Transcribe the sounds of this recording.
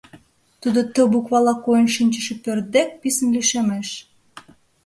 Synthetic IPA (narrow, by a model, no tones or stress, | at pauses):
t̪ud̪ot̪ə̆bukβɑlɑkojənʃinʲt͡ɕə̆ʃĕpørt̪̚d̪ek̚pisə̆nliʃemeʃ